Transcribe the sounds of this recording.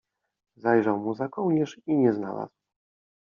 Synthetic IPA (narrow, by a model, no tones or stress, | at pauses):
zajʐawmuzakɔwɲɛʂiɲɛzna̰la̰zw